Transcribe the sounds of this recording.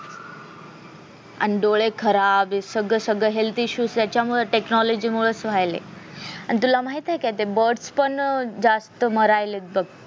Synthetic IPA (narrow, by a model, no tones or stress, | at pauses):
a̰niɖoɭekʰəɾabesəɡɭəsəɡɭəɦelt̪iɕuːst̪jat͡ɕjamuɭeʈeknɔlod͡ʑiːmuɭəsʋ̤ajlḛa̰nit̪̬ulamaɦit̪ɦɛkat̪ebəɾɖspəɳd͡zast̪əməɾajlet̪̚bəɡ̚